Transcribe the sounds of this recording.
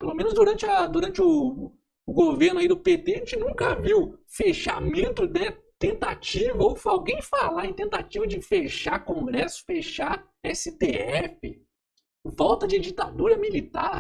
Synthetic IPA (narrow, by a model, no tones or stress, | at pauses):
pelomẽnʊzd̪uɾɐ̃nt͡ʃɪɐd̪uɾɐ̃t͡ʃɪʊː | ɡoveɾnaid̪ʊpet̪eʒẽt͡ʃɪnũkɐviwfeʃa̰mẽnt̪ʊd̪ɛt̪ẽnt̪at͡ʃivɐowfawɡẽj̃falaẽj̃t̪ẽnt̪at͡ʃivɐd͡ʒɪfeʃaɾkõɡɾɛsʊ̥feʃaɾ | ɛsɪt̪eɛfɪ | vɔwt̪ɐd͡ʒɪd͡ʒit̪a̰d̪uɾɐmilit̪aɾ